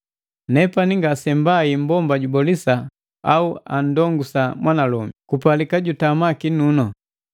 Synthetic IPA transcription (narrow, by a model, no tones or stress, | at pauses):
nɛpaniŋɡasɛmbaim̩bɔmbaɟubɔlisa | auan̩dɔŋɡusamwʔanalɔmikupalikaɟutamakinunɔ